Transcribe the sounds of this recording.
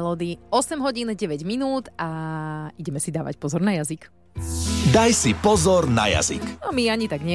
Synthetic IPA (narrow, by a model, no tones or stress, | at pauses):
lɔːd̪iɔsɛmɦɔɟiːnɟɛʋɛɟminuːd̪aiɟɛmɛsid̪aːʋa̰cpɔzɔɾnajazik | d̪ajsipɔzɔɾna̰ja̰zḭkɔmiaɲit̪aɡɲɛ